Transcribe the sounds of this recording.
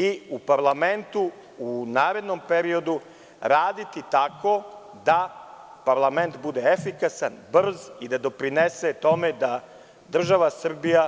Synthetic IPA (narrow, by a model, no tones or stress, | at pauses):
iupaɾlˠame̞nt̪u | unaːɾe̞d̪no̞mpe̞ɾio̞d̪u | ɾaːd̪it̪it̪ako̞ | d̪a | paɾlˠame̞nt̪bud̪eefikasanbr̩zid̪ad̪o̞pɾineset̪o̞me̞d̪a | d̪r̩ʒaʋasr̩bija